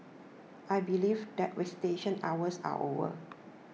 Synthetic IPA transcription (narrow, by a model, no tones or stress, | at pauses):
ʔajbilivdɛt̚ɹɛsi̥teʃə̃nawəsa̰ʔo̰və̰